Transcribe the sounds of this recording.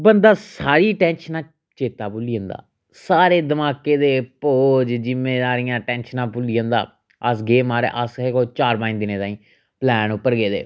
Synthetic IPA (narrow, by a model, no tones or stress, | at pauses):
bənd̪aːsaːɾiːʈɛːnʃnãː | t͡ʃeːt̪aːpuliːə̃ːnd̪a̰ː | saːɾeːd̪əmaːkeːd̪eːpoːd͡ʒd͡ʒɪmeːd̪aːɾijãːʈɛːnʃənãːpʊlijə̃ːnd̪a̰ː | əsɡeːmaːɾḛːʔəsekoːt͡ʃaːɾbãːɪnd̪ɪnẽːt̪ãːĩː | plɛːnʊpːəɾɡeːd̪ḛː